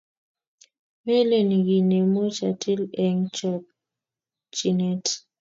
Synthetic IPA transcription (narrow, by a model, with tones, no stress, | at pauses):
me˦le˨ni˨ɡi˨ne˨mo˦t͡ʃa̰˨tʰe˦lɛ˨ŋt͡ʃɔ˨p̚ | t͡ʃi˨ne˦t